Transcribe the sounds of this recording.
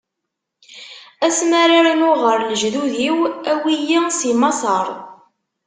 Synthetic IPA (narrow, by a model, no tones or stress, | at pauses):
æsmæɾiɾinoʁəɾlʒðuðiwæwijisimɑsˤəɾˤ